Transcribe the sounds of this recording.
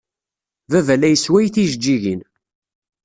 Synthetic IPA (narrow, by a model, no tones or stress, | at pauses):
vævælæjəswæjθiʒəd͡ʒːiʝin